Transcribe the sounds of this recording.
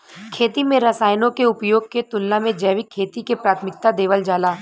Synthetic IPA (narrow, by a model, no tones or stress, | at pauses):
kʰeːt̪imẽɾɐsaːjnõkeʊpjoːɡ̚ket̪ʊlnamẽd͡ʒɛːʋɪkʰːeːt̪ikepɾaːt̪ʰmɪk̚t̪ad̪eːʋəld͡ʒaːlaː